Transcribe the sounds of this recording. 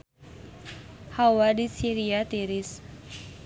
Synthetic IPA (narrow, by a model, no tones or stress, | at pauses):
hawadisiɾiat̪iɾis